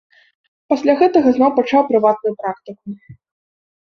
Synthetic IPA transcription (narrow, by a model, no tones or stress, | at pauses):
pasʲlʲaɣɛt̪ɐɣɐznawpat͡ʂawpɾɨvat̪̚nujupɾakt̪ɨku